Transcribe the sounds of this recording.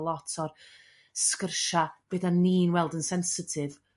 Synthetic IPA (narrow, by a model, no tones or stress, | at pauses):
lˠɔtʰɔr | skərʃab̥ɨdaniːnwɛlˠdənsɛnsətʰɪv